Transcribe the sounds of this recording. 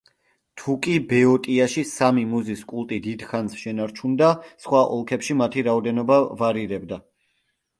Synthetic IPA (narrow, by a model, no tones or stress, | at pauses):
t̪ʰukʼibɛɔt̪ʼiaʃisamimuziskʼulˠt̪ʼid̪id̪̥χansʃɛnaɾt͡ʃʰund̪asχwaʔɔ̰lˠkʰɛpʃimat̪ʰiɾaɔd̪ɛnɔbavaɾiɾɛbd̪a